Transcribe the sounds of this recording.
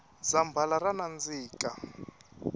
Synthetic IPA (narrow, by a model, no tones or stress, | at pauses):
zambʱalaranand͡ziːka